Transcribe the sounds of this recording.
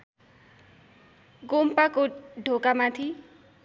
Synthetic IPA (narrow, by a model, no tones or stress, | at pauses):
ɡompakoɖʱokamat̪ʰi